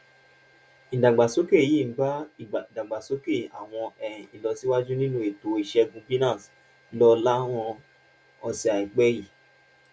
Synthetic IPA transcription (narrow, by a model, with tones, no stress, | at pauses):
ĩ˨dã˨ɡ͡ba˨so˦ke˦˨ji˦˨˦ba˦i˦˨dã˨ɡ͡ba˨so˦ke˦˨a̰˨w̃ɔ̃˧ɛ̃˨i˨lɔ˨˧si˦wa˦d͡ʒu˦nĩ˦nũ˦e˨to˨i˨ʃɛ˧ɡũ˧˦bi˦nã˦˨s | lɔ˧la˦w̃ɔ̃˧ | ɔ˧si˨a˨i˨k͡pɛ˦ji˦˨